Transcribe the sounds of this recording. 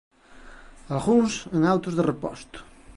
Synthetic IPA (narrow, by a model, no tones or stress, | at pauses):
alɣuŋseŋawt̪ʊzðerepɔ̰st̪ʊ̥